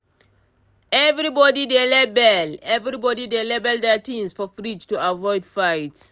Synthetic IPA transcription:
ɛvɹibɔdidelɛbɛlɛvɾibɔdidelɛbɛldɛtʰĩmsfɔfɹid͡ʒtuavɔɪdfaɪt

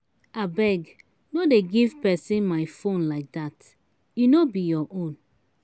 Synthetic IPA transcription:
abɛɡ | nodeɡivpɛsĩnmajfõnlaɪk̚dat | junobijɔʔõn

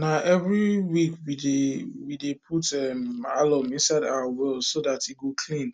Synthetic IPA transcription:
naʔɛvɹiwikwidewidepʰutɛmalɔ̃mĩnsaɪdawawɛldsoðatiɡokʰlĩn

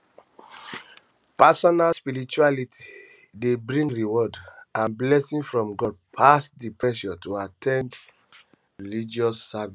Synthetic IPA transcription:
pasɔnalspiɾit͡ʃualitʰi̥ | debɹĩŋɡɹiwɔdãnblɛsĩnfɹɔ̃mɡɔd̚pʰastdipɹɛʃɔtoatʰɛ̃nd | ɹilid͡ʒɔsːavi

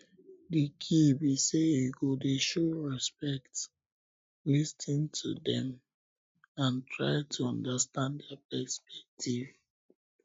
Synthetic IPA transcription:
dikʰibiseiɡodeʃoɹɛspɛkt | listĩntʰudɛ̃m | ãntʰɹa̰ɪtʰuɔ̃ndastãnddapɛspɛk̚tʰiv

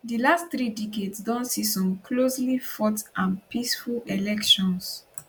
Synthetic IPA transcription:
dilastθɹidikedsdɔ̃nsisɔ̃mkʰloslifɔtʔãnpisfulɛlɛkʃɔ̃ns

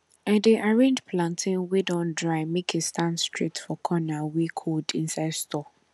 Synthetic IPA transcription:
ɛ̃ndiʔaɹẽnd͡ʒpʰlãntʰɪ̃nwedɔ̃ndɹaɪmikistʰãnstʰɹitfɔkʰɔnawekʰodĩnsaɪdstʰɔ

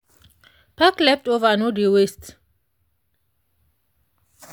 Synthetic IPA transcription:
pʰaklɛftovanodiwɛst

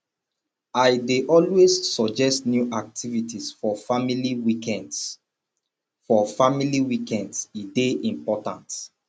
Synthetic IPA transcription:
aɪdeʔɔlwessɔd͡ʒɛstnjuʔak̚tʰivitisfɔfamiliwikɛ̃nds | fɔfamiliwikɛ̃ndsideʔĩmpɔtãnt

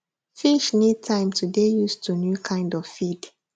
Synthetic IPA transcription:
fiʃnid̚tʰãɪ̃mtʰudejustunjukʰãɪ̃ndɔvfid̥

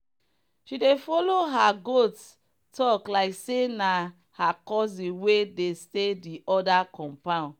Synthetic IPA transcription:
ʃidefɔloɦaɡot | tɔklaɪksena | hakɔzĩwedestediʔɔdakɔ̃mpã

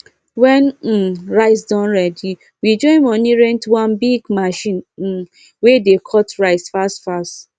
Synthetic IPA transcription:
wɛn̩ɹaɪsdɔ̃nɾɛdi | wid͡ʒɔ̃ɪ̃mɔ̃niɾɛ̃ntwãnbiɡmaʃĩn̩ | wedekʰɔtɹaɪsfastfast

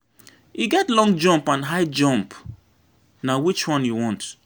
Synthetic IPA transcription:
jiɡɛtlɔ̃ŋd͡ʒɔ̃mpãnɦaɪd͡ʒɔ̃mp | nawit͡ʃwɔ̃njuwɔ̃nt

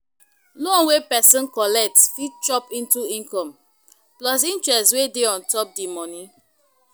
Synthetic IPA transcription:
lɔnwepɛsɔ̃nkɔlɛk̚tfit̚t͡ʃɔpĩntuĩŋkɔ̃m | plɔs̬ĩnt͡ʃɹɛswedeɔ̃ntɔp̚dimɔnĩ

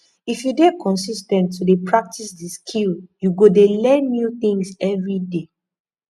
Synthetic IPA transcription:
ifjudekʰɔ̃nsistɛ̃ntʰːudepʰɹak̚tʰisdiskʰiljuɡodelɛ̃nːjuθĩŋsɛvɹide

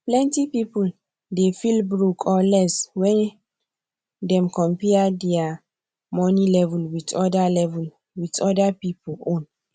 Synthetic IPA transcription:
plɛ̃ntipipul | defilbɹukʰɔlɛswɛ̃n | dɛ̃mkɔ̃mpɛadɛa | mɔnilɛvulwitɔdalɛvul | witɔdapipulõn

